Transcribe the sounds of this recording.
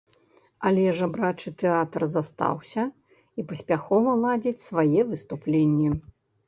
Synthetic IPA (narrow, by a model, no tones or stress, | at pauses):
alʲɛʐɐbɾat͡ʂɨt̪ɛat̪rzast̪a̰wsʲɐ | ipɐsʲpʲaxɔvɐlˠad͡zʲit͡sʲsvajɛvɨst̪uplʲenʲːɛ